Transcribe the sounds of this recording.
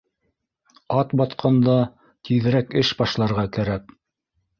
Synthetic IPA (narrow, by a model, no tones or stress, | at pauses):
ɑt̪bɑt̪qʰɑnd̪ɑ | t̪ʰiðɘ̆ɾækɘʃbɑʃlˠɑɾʁɑkæɾæk̚